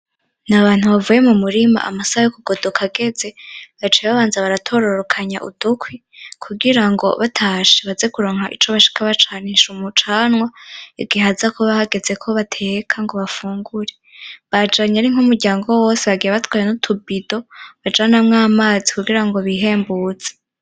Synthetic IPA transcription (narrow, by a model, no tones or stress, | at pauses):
naβaːn̥huβavuːje̞mumuɾima̰ʔa̰masajokuɡ̥o̞dokʰaɡe̞ze̞βat͡ʃeβaβaːnzaβaɾatʰo̞ɾo̞ɾokʰaɲaʔṵd̥ukwi | kʰuɡiɾaŋɡo̞̰βatʰaʃeβazekuɾo̞ːŋhaʔit͡ʃoβaʃi̥kʰaβat͡ʃaːniʃumut͡ʃaːnwaeɡihazakʰo̞βahaɡe̞ze̞kʰo̞βatʰe̞kʰaŋɡo̞βafuːŋɡuɾe̞βad͡ʒaɲaɾiŋ̥humuɾɟaːŋɡo̞wo̞ːseβaɡijaβatwaːɾenutʰubido̞βad͡ʒanamŋaːmaːzikuɡiɾaŋɡo̞βiɦe̞ːmbuːd͡z̥e̥